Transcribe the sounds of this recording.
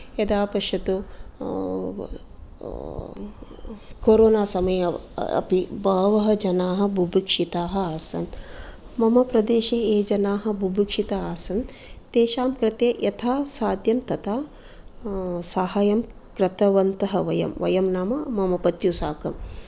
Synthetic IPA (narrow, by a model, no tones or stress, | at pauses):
ed̪aːpɐʃɐt̪u | koːɾoːnaːsɐmɐjɐɐ̰pibɐːʋɐɦɐd͡ʒɐnaːɦɐ̆bʱubikʂit̪aːɦɐaːsɐ̰n | mɐmɐpɾɐd̪eːʃieːd͡ʒɐnaːɦɐ̆bʱubʱikʂit̪ɐaːsɐn | t̪eːʃaːmkɾɪt̪jejʔɐt̪ʰaːsaːd̪jɐmt̪ɐt̪ʰaː | saːɦaːjɐm | kɾɐt̪ɐʋɐnt̪ɐɦɐʋɐjɐ̰mʋɐjɐmnaːmɐmɐmɐpɐt̪jusaːkɐm